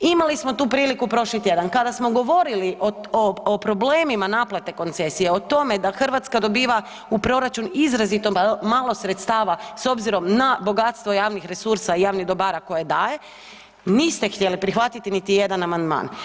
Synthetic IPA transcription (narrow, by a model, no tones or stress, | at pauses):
imalismo̞t̪uːpɾiːlikupɾo̞ʃlit̪je̞d̪ankad̪asmo̞ɡo̞ʋo̞ɾiliʔooopɾo̞bleːmimanaplat̪e̞ko̞nt̪se̞sije̞ot̪o̞me̞d̪axrʋat̪skad̪o̞biːʋa | upɾo̞ɾat͡ʃunizɾazit̪omaːlˠo̞sɾet̪st̪aːʋaso̞bziɾo̞mnabo̞ɡat̪st̪ʋo̞jaːʋnixɾe̞suɾsaijaːʋniɣd̪o̞baːɾako̞je̞d̪aːje̞ | niːst̪e̞xt̪ʲjelipɾixʋat̪it̪init̪ijed̪anamand̪ma̰ːn